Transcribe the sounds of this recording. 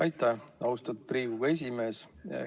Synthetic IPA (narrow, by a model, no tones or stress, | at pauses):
ɑjt̪ːæɑwst̪ɑt̪̚priːvuɡ̥ɑe̞s̬ʲime̞ːs